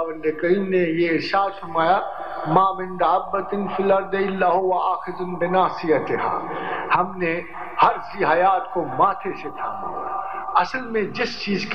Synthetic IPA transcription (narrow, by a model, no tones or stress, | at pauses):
bɪnd̪ekɐɾiːmnejeɪɾʃaːd̪fɐɾmaːja | maːbɪnd̪ʕabːɐt̪ɪnfilɐɾd̪ɪlːaːɦʊwɐaːxɪzʊnbɪnaːsɪjɐt̪ɪɦa̰ːhɐmne | hɐɾsiɦɐjaːt̪komaːt̪ʰeset̪ʰaː | ɐsəlmẽd͡ʒɪst͡ʃiːzk